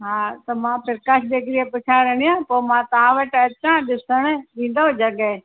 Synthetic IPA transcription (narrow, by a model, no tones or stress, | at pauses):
ɦaːt̪ɐmãpʰɪɾkaʃʰɗeɡɾiepʊt͡ʃʰaɾəɽ̃ijãːpoːmãːt̪ãːʋəʈɐt͡ɕãːɗɪsəɽ̃ɗĩːn̆d̪od͡ʒɐɡɛ